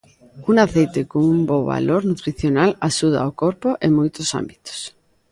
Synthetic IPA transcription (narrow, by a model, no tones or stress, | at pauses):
uŋaθejt̪ekoŋumboβa̰loɾnut̪ɾiθjonalaʃuð̞a̰okoɾpoʔeŋmojt̪osa̰mbit̪o̥s